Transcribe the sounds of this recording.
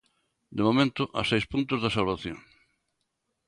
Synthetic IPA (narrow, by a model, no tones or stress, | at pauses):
d̪ɪmomẽnt̪ʊʔa̰sejspũnt̪ʊzðasalβaθjõ̰ŋ